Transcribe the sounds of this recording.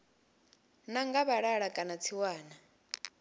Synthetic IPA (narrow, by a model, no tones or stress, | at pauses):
naŋɡaβaɺaɺakʼanat͡sʰiwaːna